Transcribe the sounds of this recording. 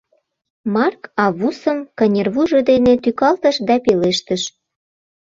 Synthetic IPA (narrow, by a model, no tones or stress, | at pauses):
mɑrkɑβusəmkənʲerβuʒɤ̆d̪enet̪ykɑlt̪ə̆ʃd̪ɑpeleʃt̪əʃ